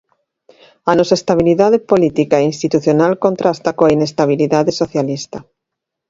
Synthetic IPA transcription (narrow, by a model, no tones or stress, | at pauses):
anosaest̪aβiliðaðepolit̪ikaeinst̪it̪uθjonalkont̪ɾʔast̪akoainest̪aβ̞iliðaðesoθjalist̪a